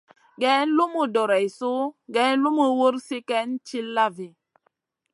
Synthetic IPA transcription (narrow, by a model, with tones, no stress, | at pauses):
ɡɛ˨˦n̩˦lu˦mu˦dɔ˨ɾɛ˨i˨su˦ɡɛ˦n˦lu˦mu˦˨wo˦ɾsi˦kɛ˦n˦t͡ʃi˦lːa˦˨vi˨